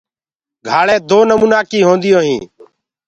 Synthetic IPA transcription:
ɡʱaːɭẽːd̪oːnəmuːnaːkiːɦõːnd̪ɪjõːɦĩː

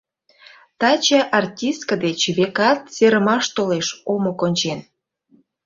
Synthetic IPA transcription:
t̪ɑt͡ɕəʔɑrtʲist̪̚kəd̪et͡ɕβekɑt̪̚seɾəmɑʃt̪oleʃomokonʲt͡ɕen

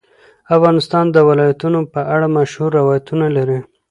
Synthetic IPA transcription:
afɣɑnɪst̪ɑnd̪əwɪlɑjat̪unopəʔaɽamaʃhuɾːɪwɑjat̪unalaɾi

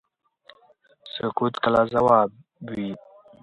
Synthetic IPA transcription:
sʊkut̪kəlazawaːb̚ | wi

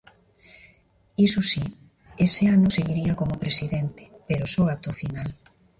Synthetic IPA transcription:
isusi | eseanʊseɣiɾiakomopɾesiðent̪e̥peɾosɔat̪ofinal

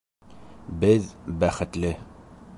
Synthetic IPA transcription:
bɘðbæχɘ̆t̪lɘ

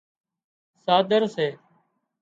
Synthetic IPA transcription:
saːd̪əɾseː

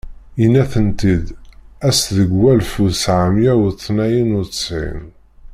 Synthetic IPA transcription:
inːæθənt̪id̪æsðəɡwælfusʕamjæwt͡sˤːnæjənʊt͡ssʕḭn

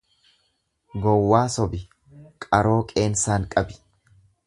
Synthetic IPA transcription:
ɡɔwːaːsɔbɪ | kʼɐɾo̞ːkʼe̞ːnsaːŋkʼɐbɪ̥

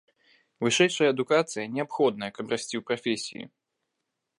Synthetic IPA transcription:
vɨʂɛjʂɐjɐːd̪ukat̪sɨjɐnʲɛapxɔd̪̚nɐjɐkɐbɾasʲt͡sʲiwpɾafʲesʲḭjḭ

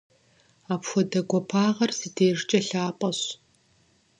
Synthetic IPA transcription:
aːpxʷɔdɐɡʷɔpʰaːʁɐrsɨdeːʐt͡ʃʼɐɬaːpʼɐɕ

